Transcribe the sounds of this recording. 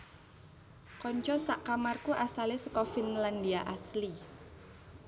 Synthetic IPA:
kɔɲt͡ʃɔsaʔkamarkuʔasalesə̥kɔfinlandiaʔasli

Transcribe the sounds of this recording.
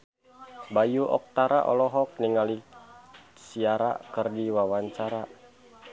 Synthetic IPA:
bajuʔɔ̰k̚t̪aɾaʔɔ̰lɔɦɔk̚niŋali | siaɾa̰kərdiwawaɲt͡ʃaɾa

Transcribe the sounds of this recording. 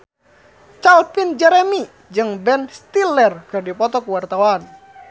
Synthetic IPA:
t͡ʃalpind͡ʒɛɾɛmi | d͡ʒɨŋbɛnst̪ilɛrkɨrdipɔt̪ɔkuwart̪awan

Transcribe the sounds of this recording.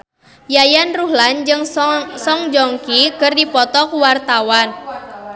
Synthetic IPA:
jajanruɦland͡ʒɨŋsɔŋd͡ʒɔŋkikərdipɔt̪ɔkuwart̪awan

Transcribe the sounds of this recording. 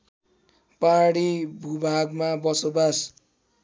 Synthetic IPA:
paɽibʱubʱaɡmabʌsobas

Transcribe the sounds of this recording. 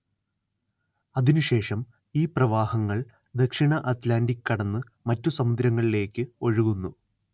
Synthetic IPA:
ɐðinuɕe̞ːʂɐm | iːprɐʋaːhɐŋːɐɭ | d̪ekʂiɳɐʔɐt̪laːndikːɐɽɐnːɨ | mɐtːusɐmud̪ɾɐŋːɐɭile̞ːkʲːɨo̞ɻuɣunːu

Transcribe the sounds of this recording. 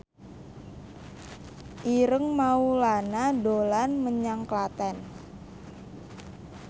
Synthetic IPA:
ʔiɾəŋmaulanadolanməɲaŋklat̪ɛn

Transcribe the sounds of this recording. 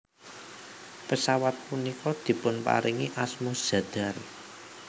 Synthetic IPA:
pəsawat̪̚punikɔd̪̥i̤pʊnpa̰ɾiŋiʔasmu̥ʒ̥a̤d̪̥a̤r

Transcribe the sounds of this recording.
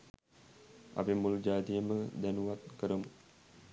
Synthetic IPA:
a̰pemuld͡ʒaːd̪ijəməd̪ænuʋat̪̚kəɾəmu

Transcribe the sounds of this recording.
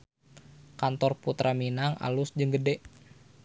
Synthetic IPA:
kant̪ɔrput̪ɾʔaminaŋa̰lʊsd͡ʒɨŋɡədɛʔ

